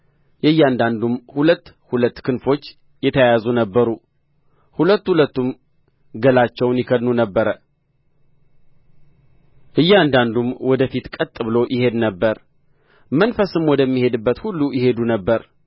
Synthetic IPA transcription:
jɛjːand̪and̪umhulət̪ː | hulət̪ːkʰɨnfo̞t͡ʃː | jɛt̪ʰəjazunəbːəɾu | hulət̪ːhulət̪ːum | ɡəlat͡ʃːɛwnjɪkʰəd̪nunəbːəɾə | ʔɨjːɛand̪and̪umwɔd̪əfit̪kʼət̪ʼːɨβɨlo̞jʔɪhe̞d̪nəbːəɾ | mənfəsɨmwɔd̪əmːihe̞d̪ɨbːət̪hulːujɪhe̞d̪unəbːəɾ

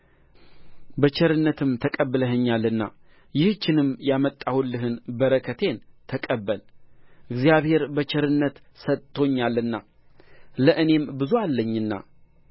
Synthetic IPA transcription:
bət͡ʃɛɾɨnːət̪ʰɨmt̪ʰəkʼəbːləɦəɲːalːɨnːa̰ | jɪhɨt͡ʃːɪnɨmjamət̪ʼːahulːɨɦɨnbəɾəkʰət̪ʰe̞nt̪ʰəkʼəbːəlʔɨɡzijaβhe̞ɾbət͡ʃɛɾɨnːət̪ | sət̪ʼːo̞ɲːalːɨnːa | ləʔɨne̞mbɨzualːəɲːɨnːa̰

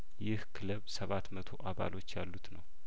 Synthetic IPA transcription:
jɪhkʰɨləβsəβat̪mət̪ʰo̞ʔaβa̰lʔo̞t͡ʃːjalːut̪nəw

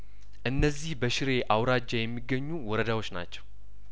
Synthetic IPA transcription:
ʔɨnːəzːihbəʃɪɾe̞ʔawɾad͡ʒajɛmːiɡːəɲːuwɔɾəd̪awo̞t͡ʃːna̰t͡ʃːɛw

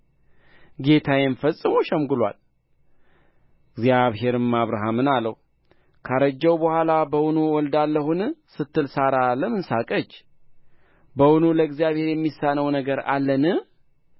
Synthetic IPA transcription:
ɡe̞t̪ʰajɛnfəsʼːɨmoʃɛmɡɨlwa̰l | ɪɡzjaβɦe̞ɾɨmːaβɾaɦamɨnalːəhu | kʰaɾəd͡ʒːɛwbəhʷalabəwunuwɔld̪alːəhunsɨt̪ːɨlsaɾaləmɨnsakʼət͡ʃː | bəwunuləɨɡzijaβhe̞ɾjɛmːisːanəwnəɡəɾa̰lːənɨ

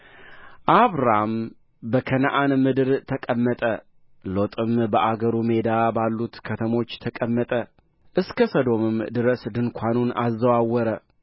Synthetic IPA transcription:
ʔaβɾam | bəkʰənʔanmɨd̪ɨɾt̪ʰəkʼəmːət̪ʼə | lo̞t̪ʼɨmbəʔaɡəɾume̞d̪abalːut̪kʰət̪ʰəmo̞t͡ʃːt̪ʰəkʼəmːət̪ʼə | ʔɨskʰəsəd̪o̞mɨmd̪ɨɾəsd̪ɨnkʷʰanunazːəwawɔɾə

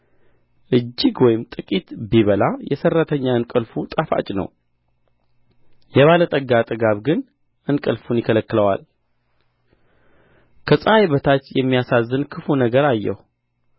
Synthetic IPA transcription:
ʔɨd͡ʒːɪɡwɔjɪmt̪ʼɨkʼit̪biβəlajɛsərːət̪ʰəɲːaɨnkʼəlfut̪ʼafa̰t͡ʃʼnə̰w | jɛβalət̪ʼəɡat̪ʼɨɡaβɡɨn | ʔɨnkʼəlfunjɪkʰələkːɨləwa̰l | kʰəsʼəajbət̪ʰat͡ʃːjɛmːijasazːɨnkʰɨfunəɡəɾajːɛ̰hu

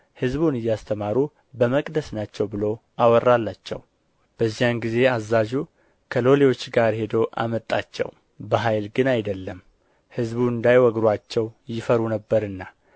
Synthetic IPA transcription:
hɨzbunɨjːast̪ʰəmaɾu | bəməkʼd̪əsnat͡ʃːɛwbɨlo̞ʔawɔrːalːat͡ʃːɛ̰w | b̥əzːijanɡize̞azːaʒu | kʰəlo̞lewo̞t͡ʃːɡaɾhe̞d̪əwʔa̰mət̪ʼːat͡ʃːɛ̰w | bəɦajlɡɨnajd̪əlːəm | hɨzbuɨnd̪ajwɔɡɾwat͡ʃːɛwjɪfəɾunəbːəɾɨnːa

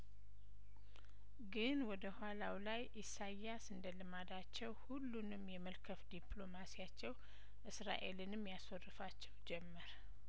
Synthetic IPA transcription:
ɡɨnwɔd̪əhalawlajʔisajːasɨnd̪əlɨmad̪at͡ʃːɛwhulːunɨmjɛməlkʰəfd̪iplo̞masijat͡ʃːɛw | ʔɨsɾa̰ʔe̞lɨnɨmjaswɔrːɨfat͡ʃːɛwd͡ʒɛmːəɾ

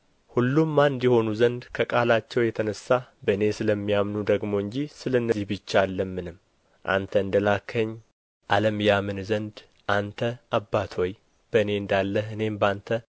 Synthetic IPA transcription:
hulːumːand̪jɛho̞nuzənd̪kʰəkʼalat͡ʃːɛwjɛt̪ʰənəsːabəɨne̞sɨləmːijamnud̪əɡmo̞ɨɲd͡ʒisɨləɨnːəzihbɨt͡ʃːaalːəmːɨnɨm | ʔa̰nt̪ʰəɨnd̪əlakʰːəɲː | ʔaləmjamɨnzənd̪ | ʔant̪ʰəʔabːat̪ʰo̞j | b̥əɨne̞ɨnd̪alːəhɨne̞mbant̪ʰə

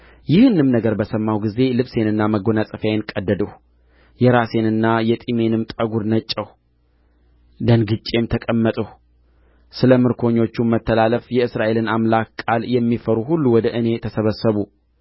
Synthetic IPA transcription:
jɪhɨnɨmnəɡəɾbəsəmːawɡize̞lɨβse̞nɨnːaməɡo̞nasʼɨfjaenkʼəd̪ːəd̪əh | jɛɾase̞nɨnːajɛt̪ʼime̞nɨmt̪ʼəɡuɾnət͡ʃʼːəh | d̪ənɡɨt͡ʃʼːe̞mt̪ʰəkʼəmːət̪ʼəh | sɨləmɨɾkʰo̞ɲːo̞t͡ʃːumət̪ːəlaləfjɛɨsɾaʔe̞lɨnamlakkʼːaljɛmːifəɾuhulːuwɔd̪əʔɨne̞t̪ʰəsəβəsəβu

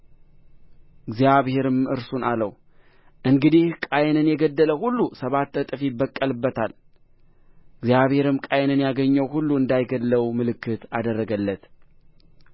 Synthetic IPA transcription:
ɨɡzjaβhe̞ɾɨmɨ̰ɾsunaləw | ʔɨŋɡɨd̪ihkʼajnɨnjɛɡəd̪ːələhulːusəβat̪ːət̪ʼɨfibəkʼːəlɨbːət̪ʰal | ɡzijaβhe̞ɾɨmkʼajnɨnjaɡəɲːəwhulːuɨnd̪ajɡədlːəwmɨlɨkʰːɨt̪ad̪ərːəɡəlːət̪

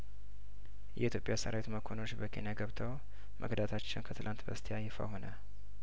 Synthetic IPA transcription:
jʔɛʔit̪jo̞pʼjasə̰ɾawet̪uməkʰo̞not͡ʃːbəkʰe̞nijaɡəβt̪ʰəw | mʔəɡd̪at̪ʰat͡ʃːɪwnkʰət̪ʰɨlʔant̪bəst̪ʰejajɪfa̰ho̞nə

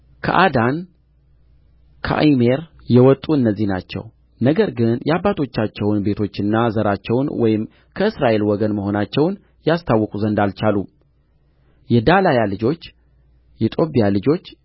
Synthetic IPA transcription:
kʰə̰ʔad̪an | kʰə̰ʔjme̞ɾ | jɛwɔt̪ʼːuɨnːəzːihna̰t͡ʃːɛ̰w | nəɡəɾɡɨnjɛabːat̪ʰo̞t͡ʃːat͡ʃːɛwnbe̞t̪ʰo̞t͡ʃːɨnːazəɾat͡ʃːɛwnwɔjɪm | kʰəɨsɾaʔe̞lwɔɡənməho̞nat͡ʃːɛwn | jast̪ʰawːɔkʼuzənd̪alt͡ʃalu | jɛd̪alajalɨd͡ʒo̞t͡ʃː | jɛt̪ʼo̞pʼijalɨd͡ʒo̞t͡ʃː

